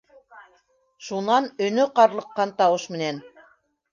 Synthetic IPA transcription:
ʃunɑnɵ̆nɵqɑɾlˠɤ̆qːɑnt̪ɑwɤʃmɘ̆næn

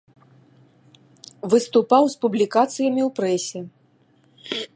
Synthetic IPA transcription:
vɨst̪upawspublʲikat̪sɨjɐmʲiwpɾɛsʲɛ

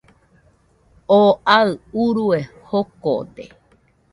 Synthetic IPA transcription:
oʔaɨuɾue | hoko̰t̪e

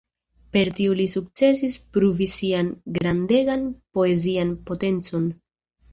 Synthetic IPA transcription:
pe̞ɾtiulisuk̚t͡se̞sispɾuvisianɡɾande̞ɡanpo̞e̞zianpo̞te̞nt͡so̞n

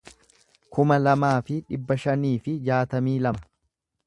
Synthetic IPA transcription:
kʊmɐlɐmaːfɪᶑɪbːɐʃɐniːfɪd͡ʒaːt̪ɐmiːlɐmɐ

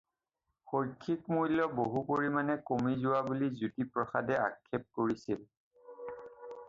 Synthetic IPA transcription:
xojkʰːikmujlɔboɦupoɹimanɛkomizʊwabulizutipɹɔxadɛa̰kʰːɛp̚koɹisil

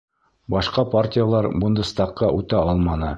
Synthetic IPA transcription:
bɑʃqɑpartʲijalˠɑɾbɤ̆nd̪ɤst̪ɑqːɑʔʉt̪æɑlˠmɑnɤ

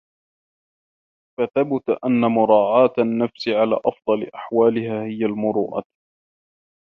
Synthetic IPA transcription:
faθabʊt̪ʔanːamʊɾˤɑːʕɑːt̪anːafsɪʕala̰ːʔɑfd̪ˤɑlɪ̰ʔḁħwaːlɪhaːhɪjalmʊɾˤuːʔa̰

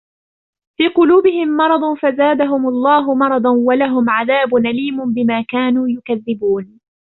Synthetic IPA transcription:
fiːqʊluːbɪhɪmːɑɾˤɑd̪ˤfazaːd̪aɦʊmʊlˤːɑːɦʊmɑɾˤɑd̪ˤnwalaɦʊmʕaðaːbʊnʔaliːmʊnbɪmaːkaːnuːjʊkaðːɪbuːn

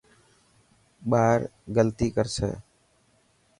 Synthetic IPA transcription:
ɓaːɾɡəlt̪iːkəɾsɛ̰ː

